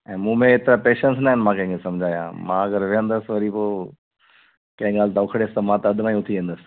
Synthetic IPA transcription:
ɛ̃ːmũːmẽeːt̪ɪɾapeːʃəns̬naɦɪnmãːkɐ̃ɦɪ̃ŋkʰesɐmd͡ʑʱaːjã̰ːmã̰ɐɡəɾʋeɦə̃nd̪əsʋɐɾipoː | kɐ̃ɦɪ̃ɡaːlt̪ɐʊkʰɽeːst̪ɐmãt̪ɐɐd̪ʱmãĩʊt̪ʰiʋẽːnd̪əsɪ̥̆

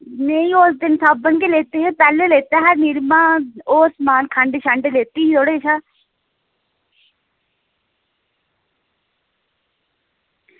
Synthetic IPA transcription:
neĩːoːsd̪ɪnsaːbənkeːleːt̪eːɦeːpɛːleːleːt̪aːɦɛːniɾmãːoːsmaːnkʰəɳɖeʃəɳɖeleːt̪iːiːt̪ʰoːɽeːt͡ʃʰaː

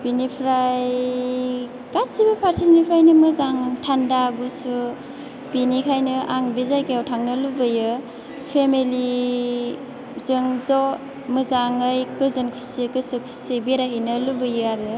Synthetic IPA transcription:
binipʰɾaj | katsibɐpʰaɾtʰilinipʰɾajnɯmɯzaŋtʰandaɡusu | binikʰajnɯʔaŋbizajkejawtʰaŋnɯlubɯjɯ | pʰemeli | zɯŋzɔ | mɯzaŋɯjkɯzɯnkʰu̥sikɯsɯkʰu̥sibeɾaɦinɯlubɯjɯaɾɯ

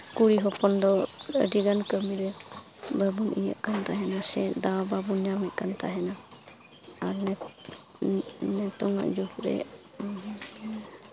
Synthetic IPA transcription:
kuɾiɦɔpɔnd̪ɔə̰ɖiɡankəmiɾɛ | babunʔija̰ʔkant̪aɦɛnasɛd̪ababunɲamɛʔ̪̚kant̪aɦɛna | aɾnɛ | nɛt̪ɔŋa̰ʔd͡ʒukɾɛ̰

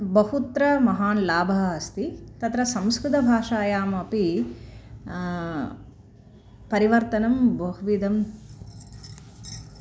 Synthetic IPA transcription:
bɐɦut̪ɾɐmɐɦaːnlaːbʱɐɦɐɐst̪it̪ɐt̪ɾɐsɐ̃mskɾut̪ɐbʱaːʂaːjaːmɐpi | pɐɾiʋɐɾt̪ɐnɐmbɐɦuʋid̪ɐm

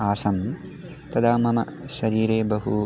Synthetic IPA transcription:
aːsɐm | t̪ɐd̪aːmɐmɐ̰ʃɐɾiːɾeːbɐɦu

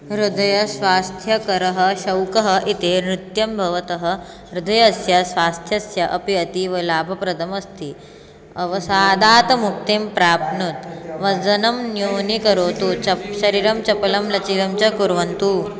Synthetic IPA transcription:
ɾud̪ʱɐjɐsʋaːst̪ʰjɐkɐɾɐɦɐ̆ʃɐwkɐɦɐʔit̪eːnɾut̪jɐmbʱɐʋɐt̪ɐɦɐ̆ | ɾud̪ʱɐjɐsjɐsʋaːst̪ʰjɐsjɐʔɐpiɐt̪iʋɐlaːbʱɐpɾɐd̪ʱɐmɐst̪ʰi | ɐʋɐsaːd̪aːt̪ɐmuk̚t̪impɾaːpnut̪ʋɐd͡zɐnɐmnjoːnikɐɾoːt̪uɐʃɐɾiːɾɐmt͡ʃɐpɐlɐmlɐt͡ʃilɐmt͡ʃɐkuɾʋɐnt̪uː

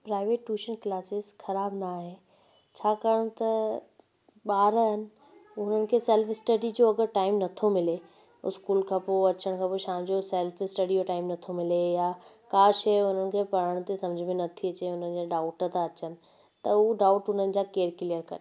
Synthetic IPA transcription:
pɾaːɪʋeːʈːuːʃənklaːsɪzxɐɾaːbnaɦɪ̃ | t͡ɕʰaːkɐɽ̃t̪ɐ | ɓaːɾənɪ̆ | ʊn̤ənɪ̆kʰesɛːlfɪsʈəɖid͡ʑoɐɡəɾʈaːɪmnɐt̪ʰomɪle | ʊ̰skuːlkʰãːpoɐt͡ɕəɽ̃kʰãːpoʃãːd͡ʑosɛlfɪsʈɐɖioʈaːɪmnɐt̪ʰomɪlejakaːʃɐjʊn̤ənɪ̆kʰepɐɾ̤əɽ̃t̪esɐ̃md͡ʑʱmẽnɐt̪ʰiɐt͡ɕeʊnənɪ̆d͡ʑaɖaːʊʈt̪aɐt͡ɕənɪ̆ | t̪ɐuɖaːʊʈʊn̤ənɪ̆d͡ʑaːkeːɾkɪlijəɾkɐɾe

